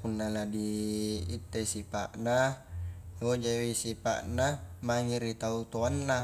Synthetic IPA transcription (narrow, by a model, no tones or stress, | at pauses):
punːaladiː | t̪ːesipa̰ʔna | od͡ʒawisipa̰ʔnamaŋiɾit̪aut̪oanːa